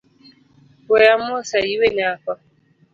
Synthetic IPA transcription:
ɔjam̩osaiweɲaakʷa

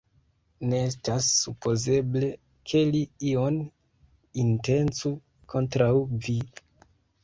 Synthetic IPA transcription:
neestasːupʰo̞ze̞ble̞ | kʰe̞liio̞n | inte̞nt͡su | kʰo̞ntɾawvi

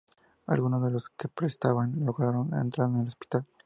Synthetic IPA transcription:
a̰lɣuno̞zðe̞lo̞ske̞pɾest̪aβanlo̞ɣɾaɾo̞nḛnt̪ɾaðenelo̞spi̥t̪al

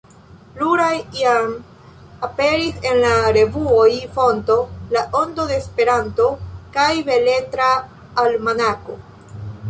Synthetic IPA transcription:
luɾajiam | ape̞ɾise̞nlaɾe̞vuo̞jfo̞nto̞laʔo̞ndo̞de̞ːspe̞ɾanto̞kajve̞le̞tɾaː | lmanako̞

